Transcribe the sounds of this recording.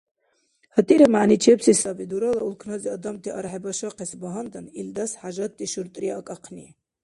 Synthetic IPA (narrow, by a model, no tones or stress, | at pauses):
hət̪ʼiɾɛmaʕnit͡ʃʰɛpsisabid̪uɾɔlaulkʰnɑziɑd̪ɑmt̪ʰiʔɑɾħɛbɑʃɑqɛsbaɦand̪anild̪asħaʒat̪ʼːiʃuɾt̪ʼɾiaːkʼɑqʰni